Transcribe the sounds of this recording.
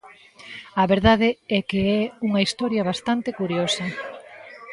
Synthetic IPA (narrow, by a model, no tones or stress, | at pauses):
ɐβeɾðaðeɛkeɛuŋɐist̪ɔɾjɐβ̞ast̪ant̪ekuɾjosɐ